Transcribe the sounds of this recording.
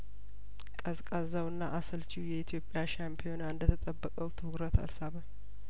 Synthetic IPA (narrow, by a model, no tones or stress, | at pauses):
kʼəskʼazawɨnːaʔasəlt͡ʃiwjɛit̪ʰjo̞pʼːjaʃampʰijo̞naɨnd̪ət̪ʰət̪ʼəbːəkʼəwt̪ʰɨhɡɾət̪ʰa̰lsaβə